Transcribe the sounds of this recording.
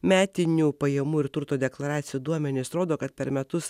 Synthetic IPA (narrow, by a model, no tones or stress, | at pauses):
mʲæːt̪ʲɪnʲuːpɐjɛmuːɪɾt̪ʊɾt̪oːd̪ʲɛklˠɐɾɑːt̪sʲɪjuːd̪uɔmʲɛnʲɪsɾoːd̪oːkɐt̪̚pʲɛɾmʲɛt̪ʊs